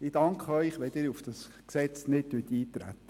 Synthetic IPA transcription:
ɪd̥ɑŋkʰχəœjχʋɛd̪ɪːɾufd̥ɑs | ksɛt͡snɪt̚tyət̪iːt̪ɾæ̰t̪ːə̥

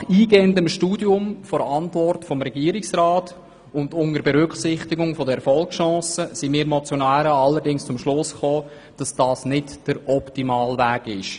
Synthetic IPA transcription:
χiːɡeːəndəmʃtuːdjʊmfɔɾɑntvɔrtfɔmɾɛɡiːɾɪksraːt | ʊndʊŋəɾbɛɾʏkχsɪχtiɡʊŋfɔdəɛfɔlˠkʃɑ̃ːsəsimiːɾmɔt͡sjɔnæːɾəɑlːəɾdɪŋst͡sʊmʃlʊsχoː | d̥ɑsd̥ɑːsnɪtd̥əɾɔptimɑːlvæːɡɪʃ

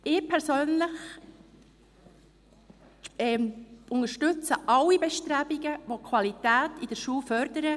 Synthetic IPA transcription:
ɪːpʰɛɾsøːnləχ | ɛmʊŋəʃtɵt͡səʔɑlːibɛʃtɾæbiɡəʋokʰwɑlitæːtid̥əɾʃuːlfœɾdəɾə

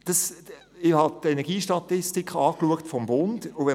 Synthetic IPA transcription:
d̥ɑs | ɪhɑtɛnɛʁɡiːʃtɑtɪstikʰɑːkluəktfɔmbʊnd̥ʊʋɛ

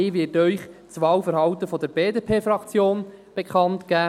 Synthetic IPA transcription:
ɪːʋɪːtœʏχt͡sʋɑwfəɾɦɑwt̪əfɔd̪əɾbeːdeːpʰeːfɾɑkt͡sjoːnb̥ekχɑntkæː

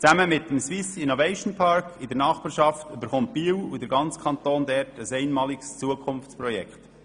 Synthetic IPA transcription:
t͡sæməmɪtːəmswisinovɛɪʃn̩pʰɑɾkʰɪdəɾnɑːχbɑːɾʃɑftybəɾχʊnt̚b̥iːwudəɾɡɑnt͡skʰχɑnt̪oːndɛɾtəsɛɪnmɑːlɪkst͡suəkʰʊnft͡sprɔjɛkχt

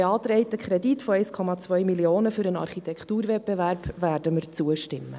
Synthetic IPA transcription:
eɑːt̪ɾɛɪtəkʰχɾɛditfoɛɪskʰɔmɑt͡svœʏmilioːnəfyɾənɑ̰rχitʰɛkχtuːɾvɛt̚b̥evæːɾb̥væːɾdəməɾt͡suəʃtɪmːə̰

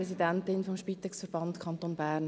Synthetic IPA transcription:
ɾɛsidɛntɪnfɔmʃpiːt̪ɛksfəɾb̥ɑntkʰχɑntoːnbæːrn

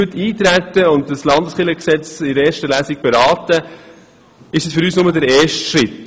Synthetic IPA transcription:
ətʰːiːt̪ɾætəʊntdəslɑndəsχɪləksɛt͡sɪɾɛːɾʃtəlæːsik̚b̥ɛɾɑːtə | ɪʃəsfʏɾyːsnʊmədɛɾɛːʃtʃɾɪt

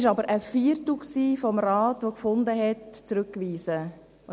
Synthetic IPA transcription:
ʃɑbəɾʔəfiːəɾtl̩ksiːfɔmɾɑːtʋokfʊnd̪əɦɛtt͡sɾʉkːʋiːzə

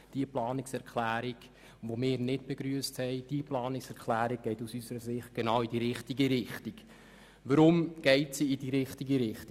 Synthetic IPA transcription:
d̥iəplɑːnɪksɛɾkʰlæːɾiɡ | ʋomɪːɾnɪt̚b̥eɡɾyəsthɛɪd̥iəplɑːnɪksɛɾkʰlæːɾiɡ̚ɡ̥ɛɪtusysəɾəsɪχt̚ɡ̥enɑːwidiɾɪχtiɡiɾɪχtiɡ | ʋəɾʊmɡ̥ɛɪtsiːd̥iɾɪχtiɡiɾɪχti

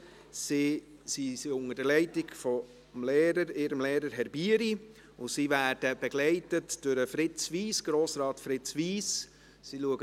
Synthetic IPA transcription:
si | sisiʊŋəd̥əlɛɪtɪɡfɔ | mleːɾəɾɪːɾəmleːɾəɾɦɛɾbiːəɾi | ʊsivæːɾd̥əb̥ɛɡ̥lɛɪtətd̥ʊɾəfɾɪt͡sviːsɡ̥ɾoːsɾɑːtfɾɪt͡sʋiːs | siluəɡə

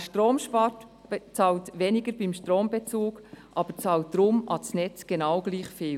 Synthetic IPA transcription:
ʃtɾoːmʃpɑtt͡sɑːltʋeːnɪɡəɾbɪmʃtɾoːmbɛt͡suːɡʔɑb̥əɾt͡sɑːlt̚d̥̪ɾʊmʔɑt͡snɛt͡sɡ̥enɑwɡ̥liːχfeːl

